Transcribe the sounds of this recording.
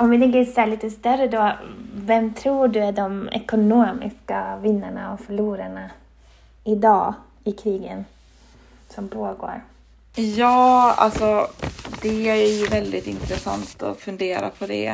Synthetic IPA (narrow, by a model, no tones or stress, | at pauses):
ɔmvɪt̪ʰɛŋkəsæɭiːt̪əst̪œɾəd̪oːvɛmt̪ʰɾuːɖɵæɖɔmɛ̰kʊnoːmɪ̰skavɪnːaɳaɔfœɭuːɾaɳa | ɪd̪ɑː | ɪkʰɾiːɡən | sɔmpʰoːɡo̰ːɾ | jɑːa̰lsɔd̪ɛæjɵvɛld̪ɪt̪ɪnt̪ɾɛsa̰nt̪ɔ̰fɵnd̪eːɾa̰pʰɔd̪ɛ̰